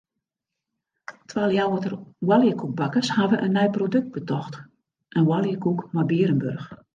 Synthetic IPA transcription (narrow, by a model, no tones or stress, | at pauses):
tʰʋaːlˠjawɔtərwalˠjəkuk̚bakəshaʋəʔənːɛjprodøk̚t̚b̥ətɔxt | ʔənwalˠjəkukmabiəɾənbørx